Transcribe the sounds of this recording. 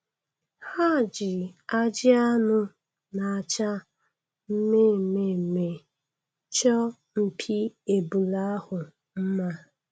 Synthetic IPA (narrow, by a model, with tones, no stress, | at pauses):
ha˦˨d͡ʒɪ˨a˦d͡ʒɪ˦a˦nʊ˦ | na˨a˨t͡ʃa˦ | m̩˦me˦˨me˦˨me˨ | t͡ʃɔ˦ | m̩˨pʰi˦e˨bu˨la˦hʊ˨ | m̩˦ma˦